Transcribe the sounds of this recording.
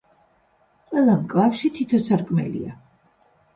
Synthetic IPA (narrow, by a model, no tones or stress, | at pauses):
qʼwɛlˠamkʼlˠafʃit̪ʰit̪ʰɔsaɾkʼmɛ̰lḭa